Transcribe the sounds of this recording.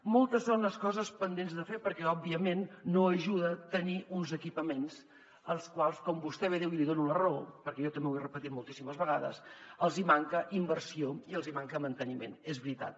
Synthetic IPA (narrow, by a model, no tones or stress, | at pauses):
molˠt̪əsonləskɔzəspənd̪enzðəfepəɾkɛɔbːiəmenːoəʒuðət̪əniʔunzəkipəmens | əlˠskwalˠskɔmbust̪ɛβeðewiliðonunəropəɾkɛʒɔt̪əmbewerəpət̪it̪̚mulˠt̪isiməzβəɣaðə̰səlˠzimaŋkəʔimbəɾsioiəlˠzimaŋkəmənt̪ənimḛnezβɾit̪a̰t̪̚